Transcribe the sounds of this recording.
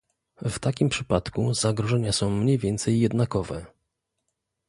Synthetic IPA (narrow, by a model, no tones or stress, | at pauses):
vt̪akʲimpʂɘpat̪kuzaɡɾɔʐɛɲasɔ̃w̃mɲejvʲjɛnt̪sɛjːɛd̪nakɔvɛ̰